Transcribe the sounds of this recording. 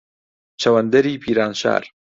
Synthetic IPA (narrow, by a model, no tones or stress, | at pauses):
t͡ʃʰɐwɐnd̪ɐɾiːpʰiːɾaːnʃa̰ːɾ